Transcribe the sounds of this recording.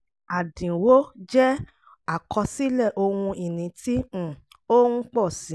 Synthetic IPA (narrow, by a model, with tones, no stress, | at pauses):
a˨dĩ˨wo˦d͡ʒɛ˦ | a˦˨kʰɔ˧si˦lɛ˦˨ʔo˧wũ˧i˨nĩ˨˧˦tĩ˦˨ | o˦ũ˦k͡pɔ˦˨sĩ˨˦